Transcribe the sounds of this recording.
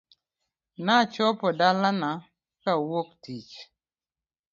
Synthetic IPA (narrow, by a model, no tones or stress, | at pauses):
nat͡ʃɔpɔdalana | kawok̚tit͡ʃ